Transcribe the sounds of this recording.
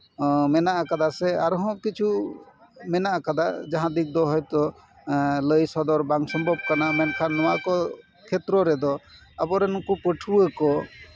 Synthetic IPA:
mɛnaʔakad̪asɛaɾɦɔ̃kit͡ʃʰu | mɛnaʔakad̪aʔd͡ʒaɦãd̪ik̚d̪ɔɦɔjt̪ɔ | ləjsɔd̪ɔɾbaŋsɔmbʱɔb̚kanamɛnkʰanːɔwakɔ | kʰɛt̪ɾɔɾɛd̪ɔ | abɔɾɛnɔkupəʈʰuəkɔ

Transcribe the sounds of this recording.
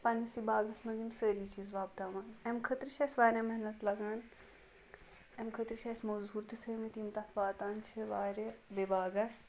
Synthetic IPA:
pɐnɐsibaːɡɐsmɐzimsəːɾiːt͡ʃizʋaːbt̪aːʋanemkʰət̪ɾɨt͡ʃʰesʋaːɾʲemɐɦnɐt̪lɐɡaːn | emkʰət̪ɾɨt͡ʃʰesmozuːɾt̪ɨt̪ʰɨːmit̪imt̪ɐt̪ʰʋaːt̪aːnt͡ʃʰiʋaːɾebebaːɡɐs

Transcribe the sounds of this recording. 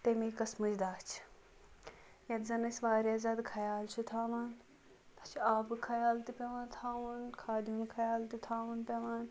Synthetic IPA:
t̪emikɐsmɐd͡ʒd̪aːt͡ʃʰ | jɐt̪zɐnɐsʲʋaːɾʲjaːzaːd̪kʰɐjaːlt͡ʃʰut̪ʰaːʋaːn | t̪ɐ̥t͡ʃʰiaːbɨkʰɐjaːlt̪ipʲeʋaːnt̪ʰaːʋunkʰaːd̪juːnkʰɐjaːlt̪it̪ʰaːʋunpʲeʋaːn

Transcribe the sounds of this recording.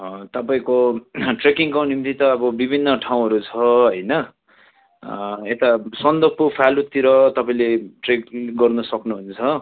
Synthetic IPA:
t̪ʌpaĩkoʈrekiŋkonimt̪it̪ʌːbʌbibʱinːʌʈʰaw̃ɦʌɾut͡sʰʌɦʌjnʌ | et̪asʌnd̪ʌpopʰalut̪iɾʌt̪ʌpaĩleʈrekɡʌrnʌsʌknuɦunt͡sʰʌ

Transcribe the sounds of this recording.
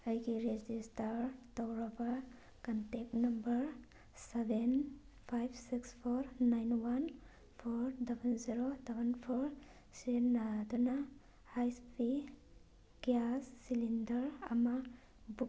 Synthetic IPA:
əjɡiɾed͡ʒistaɾtawɾɐba | kantek̚tnɐmbɐɾ | seben | pʰajbʰsikspʰɔɾnajnwan | pʰɔɾdabʱenziɾodabʱanpʰɔɾ | senaduna | hajspʰi | ɡiasːilindɐɾa̰ma | bu

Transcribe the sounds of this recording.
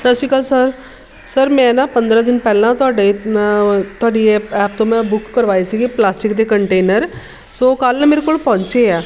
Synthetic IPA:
səsiːkəlsəɾ | səɾmɛ̃ːnãːpənd̪ɾãːd̪ɪnpɛːlãːt̪ʊaːɖeː | t̪ʊaːɖiːɛːp̚t̪õːmɛ̃ːbʊkːəɾʋaːesiːɡiplaːsʈɪkd̪eːkəɳʈeːnəɾ | soːkəlnːmeːɾekoːlpɔ̃ːɲt͡ʃeːɛː

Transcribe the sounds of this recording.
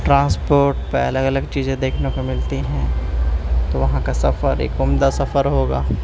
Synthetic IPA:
ʈɾãːspoːɾʈpeɐləɡɐləɡt͡ʃiːzẽd̪eːkʰnekemɪlt̪iɦɛ̃ː | t̪oʋɐɦãkasɐfəɾḛːkʊmd̪asɐfəɾɦoːɡa̰ː

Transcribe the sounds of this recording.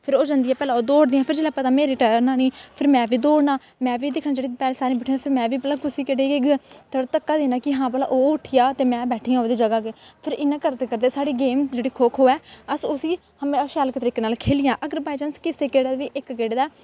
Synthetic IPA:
pʰɪɾoːd͡ʒə̃nd̪ijɛːpɛːlãːoːd̪oːɽd̪iːãːpʰɪɾd͡ʒeːɽaːpət̪aːmeːɾiːʈənaːniːpʰɪɾmɛ̃ːʋiːd̪oːɽnaː | mɛ̃ːʋiːd̪ɪkʰnaːd͡ʒeːɽiːpɛːleːsaːɾĩːbɛːʈʰĩpʰɪɾmɛ̃ːʋiːpəlaːkʊsiːkeɽeːt̪ʰəɽt̪əkːaːd̪eːnaːkɪɦãːbəla̰ʔoːʊʈʰɪjaːt̪eːmɛ̃ːbɛːʈʰiːãːoːd̪iːd͡ʒəɡaːkepʰɪɾɪnːãːkəɾd̪ekəɾd̪eːsaːɽiːɡeːmd͡ʒeːɽiːkʰoːkʰɦoːɛːəsʊsiː | həmẽːʃaːləkt̪əɾiːkeːnaːlkʰeːlɪjãːʔəɡəɾbaːd͡ʒənskɪseːkeːɽaːʋiːʔɪkɡeːɽd̪aː

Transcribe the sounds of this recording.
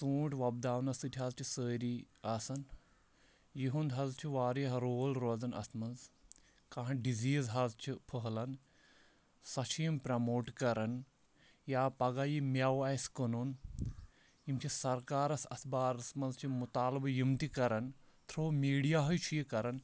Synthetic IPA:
suːʈʋɐb̚d̪aːʋnɐsɨt̪ʲʰiɦɐzt͡ʃʰisəːɾi | ɐsɐn | jiɦund̪ɦɐzt͡ʃʰiʋaːɾiɦɾoːlɾod͡zɐnʔɐ̰smɐnz | kãːɐ̃ɖiziːzɦɐzt͡ʃʰipʰəɦlɐn | sɐt͡ʃʰiːmpɾɐmoːʈkɐɾɐn | jaːpɐɡaːjimjɐwɐskənun | jimt͡ʃʰisɐɾkaːɾɐsɐ̰sbaːɾɐsmɐnzt͡ʃʰimut̪aːlbɐjimt̪ikɐɾɐnt̪ʰɾoːmiːɖijaːɦɐjt͡ʃʰujikɐɾɐn

